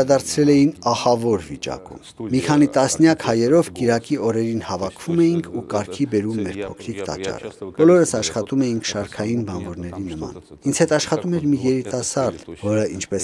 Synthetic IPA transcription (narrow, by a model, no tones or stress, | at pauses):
ɑd̪ɑɾt͡sʰɾɛlɛjinɑhɑvɔɾvit͡ʃɑ̰kṵmmikʰɑnit̪ɑsnjɑkhɑjɛɾɔvkiɾɑkiɔɾɛɾinhɑvɑkʰv̥umɛjiŋkʰukɑɾkʰibɛɾumːɛɾpʰɔkʰɾikt̪ɑ̰t͡ʃːɑ̰rə̰b̥ɔlɔɾəsɑʃχɑt̪umɛjiŋkʰʃɑɾkʰɑjinbɑnvɔɾnɛɾinəmɑ̰nind͡zhɛt̪ɑʃχɑt̪umɛɾmijɛɾit̪ɑsɑɾd̪vɔɾəint͡ʃʰpɛs